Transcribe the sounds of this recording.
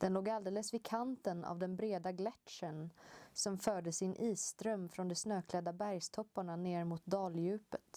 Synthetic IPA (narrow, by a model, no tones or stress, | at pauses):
d̪̥ɛnloːɡald̪eːləsvɪkʰant̪əna̰vd̪ɛnbɾeːd̪aɡlɛt̪ʂənsɔmfœːɖəsɪnʔiːsːt̪ɾœmːfɾɔnd̪ɛsnøːkʰlɛd̪ːabæɾjst̪ʰɔpːaɳaneːɾmʊt̪̚d̪ɑːljʉ̟ːpət̪